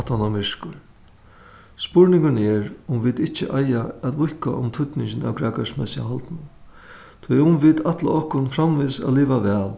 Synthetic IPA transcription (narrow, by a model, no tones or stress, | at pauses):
t̪ʰanamɪʂkʊɾ | spʊɹnɪŋkʊnɛːɾʊmvit̪ɪht͡ʃɪʔajaæt̪ʋʊhka̰ʔʊmt̪ʰʊt̪nɪɲt͡ʃɪna̰wkɾaːkaʂsmɛsɪa̰ɦalt̪nʊ | t̪ʰʊjʊmvit̪at̪la̰ɔhkʊnfɾamvɪsɛ̰ːliːʋaʋɛːl